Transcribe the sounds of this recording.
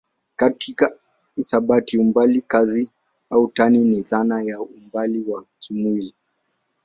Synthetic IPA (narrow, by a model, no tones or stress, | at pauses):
katʰika | isaɓatiumbalikazi | autaniniðanajaumbaliwakʰimwili